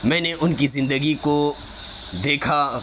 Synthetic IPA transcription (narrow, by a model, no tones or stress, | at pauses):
mɛ̃ːneʔʊnkizɪ̃nd̪əɡiko | d̪eːkʰa